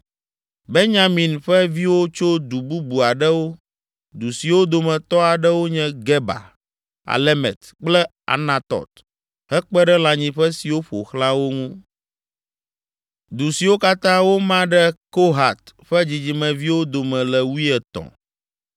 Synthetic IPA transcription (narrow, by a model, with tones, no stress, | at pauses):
be˦nɲã˦mĩ˨nɸɛ˦vi˦wo˦t͡ʃo˦d̪u˨bu˦bu˨a˨ɖɛ˦wo˦ | d̪u˨si˨wo˦d̪o˨mɛ̃˨t̪ɔ˦a˨ɖɛ˦wo˦ɲɛ̃˦ɡɛ˦ba̰˨ | a̰˨lɛ˦mɛ̰˨t̪ | k͡plɛ˦ | a̰˨nã˨t̪ɔ̰˨t̪ | hɛ˦k͡pɛ˦ɖɛ˦la˨ɲĩ˨ɸɛ˦si˨wo˦ɸo̰˨xlã˦wo˦ŋũ˦ | d̪u˨si˨wo˦ka˦t̪ã˦wo˦mã˦ɖɛ˦ko˦ɦa˨t̪ɸɛ˦d͡ʑi˨d͡ʑi˨mɛ̃˨vi˦wo˦d̪o˨mɛ̃˨lɛ˨wu˦i˦ɛ˨t̪ɔ̰̃˨